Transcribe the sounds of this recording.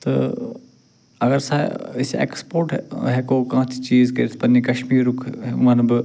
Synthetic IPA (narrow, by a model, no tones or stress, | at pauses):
t̪ɐ̰ | ɐɡəɾsaːɪsḛːkspoːɾʈɦɛkoːkããt͡ʃʰit͡ʃiːzkespɐnikɐʃmiːɾʊkʰɦɛmãnbɨ